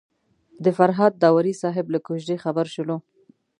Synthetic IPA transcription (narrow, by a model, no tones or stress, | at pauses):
d̪əfaɾɦɑd̪̚ːɑwaɾisɑɦɪblakoʃd̪exabaɾʃʊlo